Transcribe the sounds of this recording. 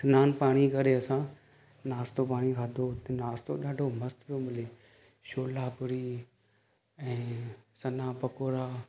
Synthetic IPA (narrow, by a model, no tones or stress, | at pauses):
sɪnaːnpaːɽ̃ikɐɾeɐsã | naːst̪opaːɽ̃ikʰaːd̪ʱot̪naːst̪oɗaːɖʱomɐst̪pijomɪle | ʃoːlaːkʊɾi | ɛ̃ːsɐnaːpɐkoːɾaː